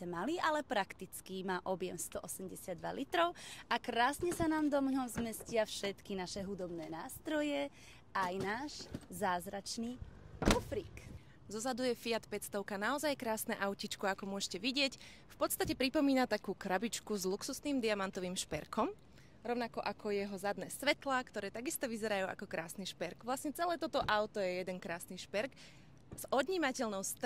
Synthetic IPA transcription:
ɛmaliʔalɛpɾakt̪it͡skimaːʔɔbjɛmst̪ɔʔɔsɛmɟɛsɪad̪ʋa̰lit̪ɾɔʊʔakɾaːsɲɛsanaːmd̪ɔmɦɔmzmɛscɪafʃɛt̪kinaʃɛɦud̪ɔbnɛːnaːst̪ɾɔjɛ | ajnaːʒzaːzɾat͡ʃniːkɔfɾiːk | zɔzad̪ujɛfiat̪pɛt͡st̪ɔʊkanaɔzajkɾaːsnɛʔaʊcit͡ʃkɔakɔmʊɔʃcɛʋiɟɪɛc | fpɔt̪st̪acɛpɾipɔmiːnat̪akuːkɾabit͡ʃkuzluksusniːmd̪iamant̪ɔʋiːmʃpɛɾkʰɔm | ɾɔʊnakɔʔakʰɔjɛɦɔzad̪nɛːsʋɛt̪lakt̪ɔɾɛːt̪aɡist̪ɔʋizɛɾajuːʔa̰kɔkɾaːsniʃpɛɾɡʋlasɲɛt͡sɛlɛːt̪ɔt̪ɔʔaʊt̪ɔjɛjɛd̪ɛnkɾaːsniʃpɛɾkɡ | z̥ɔd̪ɲiːmacɛʎnɔʊst̪

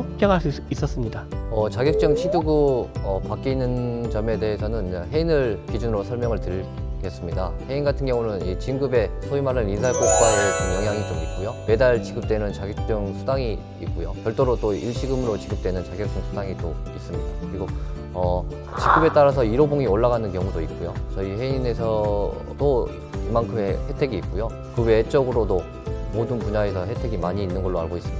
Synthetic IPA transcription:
pjʌŋɦaɭs͈uis͈ʌs͈ɯmɲidaʌt͡ɕaɡjʌk̚t͡ɕ͈ɯŋɕʰiduɡɯʌpak͈iinːɯnt͡ɕʌme̞de̞ɦesʰʌnɯnɦe̞inɯɭkid͡ʑunɯɾosʰʌɭmjʌŋɯɭtɯɾɡes͈ɯmɲida̰he̞inɡatʰɯnɡjʌŋunɯnit͡ɕiŋɡɯbe̞sʰoimaɾɯninsʰaɭk͈ok͈waot͡ɕʰɯnjʌŋɦjaŋitoit̚k͈ujome̞daɭt͡ɕiɡɯp̚t͈e̞nɯnt͡ɕaɡjʌk̚t͡ɕ͈ɯŋsʰudaŋiː | k̚k͈ujokjʌɭt͈oɾot͈oiɭɕʰiɡɯmɯɾot͡ɕiɡɯp̚t͈we̞nɯnt͡ɕaɡjʌk̚t͈ɯŋsʰudaŋit͈ois͈ɯmɲidakɯɾiɡo | ʌ | t͡ɕiɡɯbe̞t͈aɾasʰʌiɾoboŋioɭːaɣanɯnkjʌŋudoik̚k͈ujot͡ɕʌiɦe̞ine̞sʰʌ | t͈o | imankʰɯmehe̞tʰe̞ɡiːk̚k͈ujo | kɯwe̞t͡ɕ͈ʌɡɯɾodo | modɯnpuɲaesʰʌɦe̞tʰe̞ɡimaɲiːnːɯnɡʌɭːoaɭɡois͈ɯmɲida

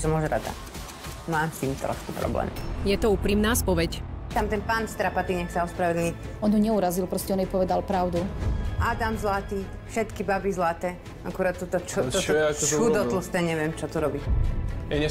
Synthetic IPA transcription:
sɔmɔʒɾa̰d̪a̰ | maːmst̪iːmt̪ɾɔ̰ʃkupɾɔ̰blɛ̰ːmjɛt̪ɔuːpɾiːmnaːspɔʋɛct̪amt̪ɛnpaːnst̪ɾapat̪iɲɛxsaɔspɾaʋɛd̪l̩ɲiɔnjuɲɛuɾazilpɾɔscɛɔnjɛpɔʋɛd̪alpɾaʊd̪uʔad̪amzlat̪iː | fʃɛt̪kibabizlat̪ɛː | ʔakuɾaːt̪t̪ːɔt̪ɔt͡ʃɔɔt͡ʃud̪ɔt̪l̩st̪ɛːɲɛʋɪɛmt͡ʃɔt̪uɾɔbijɛɲɛ

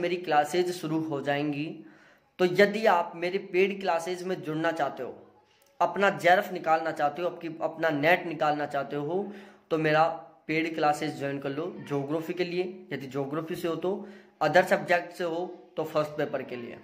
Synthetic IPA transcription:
meːɾiklaːseːzʃʊɾuɦod͡ʒaːẽːŋɡi | t̪ojɐd̪iaːpmeːɾepeːɖklaːsezmẽd͡ʒʊɽnat͡ʃaːɦt̪eɦo̰ː | ɐpnad͡ʒɛːɾəfnɪkaːlnat͡ʃaːɦt̪eɦoɐp̚kiɐpnanɛːʈnɪkaːlnat͡ʃaːɦt̪eɦot̪omeːɾapeːɖklaːsezd͡ʒɔːɪnkɐɾlod͡ʒoːɡɾaːfikeliejɐd̪id͡ʒoːɡɾoːfiseɦoːt̪o | ɐd̪əɾt͡ʃəb̚d͡ʒɛːk̚ʈseɦot̪ofʰəɾsʈpeːpəɾkeliḛ

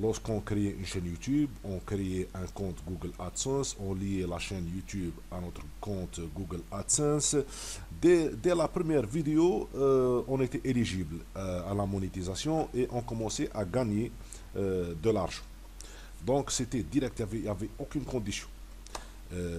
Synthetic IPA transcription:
lɔʁskɔ̃kʁeeʔynʃɛnjut̪ybɔ̃kɾeeʔɛ̃kɔ̃t̪ɡuɡəlat̪sɛ̃sɔ̃lielaʃɛnjut̪ʰybanɔt̪ʁəkɔ̃t̪ɡuɡəlat̪sɛ̃s | d̪ɛd̪ɛlapɾəmjɛʁvid̪eo | ɔ̃net̪ɛʔeliʒiblalamɔnet̪izasjɔ̃ʔeʔɔ̃kɔmɑ̃sɛʔaɡaɲe | d̪əlaʁʒɑ̃ | d̪ɔ̃kset̪ɛd̪iʁɛkt̪javɛavɛokynkɔ̃d̪isjɔ̃

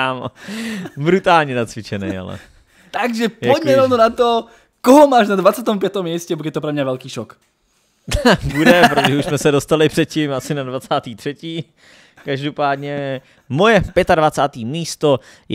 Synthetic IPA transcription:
am | bɾut̪aːlɲɛnat͡sʋɪt͡ʃɛnɛ̰ja̰lɛ̰ | t̪aɡʒɛpɔɟmɛɾɔvnonat̪ɔ | kɔɦɔmaːʒnad̪vat͡saːt̪ɔmpɪat̪omːjɛscɛbɔɡjɛt̪ɔpɾɛmɲavɛlkiːʃɔk | budɛpɾot̪oʒɛuʃsmɛsɛdost̪alɪpr̝̥ɛt̪̚cimasɪnadvat͡saːt̪iːt̪r̥ɛciː | kaʒdopaːd̪ɲɛ | mojɛpjɛt̪advat͡saːt̪iːmiːst̪oj

